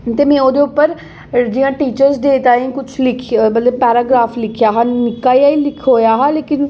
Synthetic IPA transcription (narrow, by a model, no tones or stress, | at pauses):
t̪eːmɛ̃ːoːd̪eʊpːəɾ | d͡ʒiːjãːʈiːt͡ʃəɾzd̪eːt̪ãːĩːkʊt͡ʃʰlɪkʰbələbpɛːɾaːɡɾaːfʰlɪkʰjaːɦãːnɪkaːiaːiːlɪkʰɦoːjaːɦaːleːkɪn